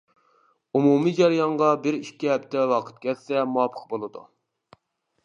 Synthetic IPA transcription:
umumid͡ʒɑɾijɑɴʁɑbɪɾiʃkʲːiɦɛp̚t̪ʰɛwɑqʰə̥t̪̚kʲʰɛlsɛmuɑpʰə̥qbolˠɨd̪ṵ

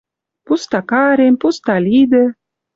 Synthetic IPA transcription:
pust̪akaːɾempust̪alʲid̪ə

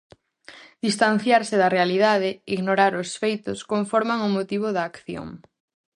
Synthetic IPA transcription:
d̪ist̪an̟θjaɾsɪðɐrealiðað̞ɪiɣnoɾaɾʊsfejt̪ʊskoɱfɔɾmaŋʊmot̪iβ̞oðaːkθjo̰ŋ

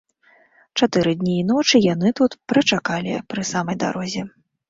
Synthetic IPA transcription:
t͡ʂat̪ɨɾɨd̪ʲnʲiːnɔt͡ʂɨjan̪ɨt̪ut̪pɾɐt͡ʂakalʲipɾɨsamɐjd̪a̰ɾɔzʲɛ

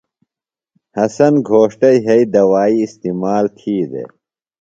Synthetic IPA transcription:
hɐsɐnɡʱoːʂʈɐiɦɐid̪ɐwaːiːst̪iːmaːlt̪ʰiːd̪ḛ

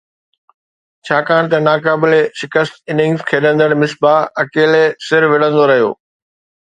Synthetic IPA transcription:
t͡ɕʰaːkaːɽ̃t̪ɐnaːkaːbɪleʃɪkəst̪ɪnɪ̃ŋzkʰeːɗə̃nd̪əɽ̃mɪsbaːɐkeːlesɪɾʋɪɽ̤ə̃nd̪oɾɐɦijo̰ː

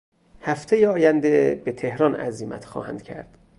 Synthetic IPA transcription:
hæft̪ʰejeɒːjænd̪eb̥et̪ʰe̞hɾɒnæ̰ziːmæ̰t̪xɒ̰ːhæ̰nd̪̚cʰæ̰ɾd̪̥

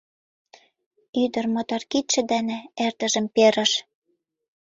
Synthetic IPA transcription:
yd̪ə̆rmot̪ɑrkit̪ʃɘ̆d̪enĕert̪ə̆ʒə̆mpeɾə̆ʃ

